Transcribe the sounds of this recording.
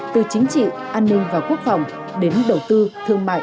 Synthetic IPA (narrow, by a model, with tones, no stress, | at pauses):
t̪ɨ˨˩t͡ɕï˨˦ŋ̟t͡ɕḭ˧˨ | ʔaː˧nːï˧ŋ̟vaː˨˩ku˦˥ək̚fa˨˩wŋ͡m | ɗe˨˦nɗə˨˩wt̪ɨ˧t̪ʰɨ˧əŋma̰ː˧˨